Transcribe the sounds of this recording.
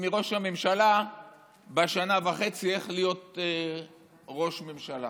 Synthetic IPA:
miʁo̞ʃhamemʃala | baʃanavaχe̞t͡sieχlijo̞t̪e | ʁo̞ʃmemʃala̰

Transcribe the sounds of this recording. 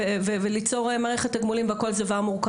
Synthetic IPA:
evevelit͡so̞ʁemaːʁeχethaɡmulimbeko̞lzavaʁmuʁk

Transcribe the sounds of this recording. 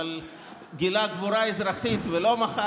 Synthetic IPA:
l | ɡilaɡvuɾaezɾaχit̪velo̞maχa

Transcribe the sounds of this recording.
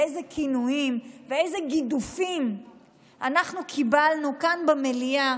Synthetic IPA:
ejzekinuimveejze̞ɡidufim | ʔanaχnukʰibalnukanbemelia

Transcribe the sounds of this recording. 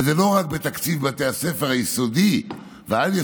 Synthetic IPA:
zelo̞ʁak̚bet̪akt͡sivbat̪easefeʁajisod̪i | veazje

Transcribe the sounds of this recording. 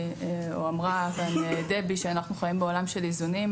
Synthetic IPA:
ṵamʁafaned̪ebiʃeanaχnuχajimbeo̞lamʃe̞lizunim

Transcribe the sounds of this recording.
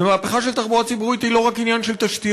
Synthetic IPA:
emaːpe̞χaʃe̞lt̪aχbuʁat͡sibuʁit̪ilo̞ʁakinjanʃe̞lt̪aʃt̪i

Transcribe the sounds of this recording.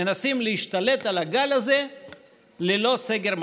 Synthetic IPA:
enasimleiʃt̪ale̞t̪alaɡalaze̞ | lelo̞seɡeʁm

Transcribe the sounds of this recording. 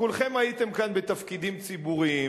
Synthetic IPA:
kulχe̞mait̪e̞mkanbet̪ɐfkid̪imt͡sibuʁi

